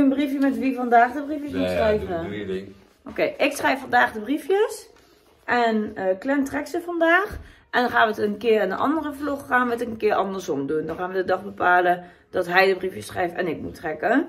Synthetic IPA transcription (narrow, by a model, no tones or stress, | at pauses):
ənbrifjəmɛtʋifɔndaːxdəbrifjəsmutsrɛjvə | okeːʔɪksχrɛjffɔndaːxdəbrifjəs | ʔɛnəklɛntrɛksəfɔndaːxʔɛndɔnxaːnʋətənkɪərɪndəʔɑ̰ndərəfluxːaːnʋətəənkɪːəʔɑndərsomdundɔnxaːnʋədədɔxbəpaːlə | d̥ɔtɦɛjdəbrifjəsχrɛjftɛ̰nɪk̚mutʰrɛkə